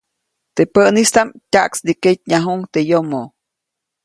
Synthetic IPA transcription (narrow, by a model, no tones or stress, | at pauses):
t̪epəʔnist̪amtʲaʔksd̪iket̪̚ɲaɦuŋt̪ejomo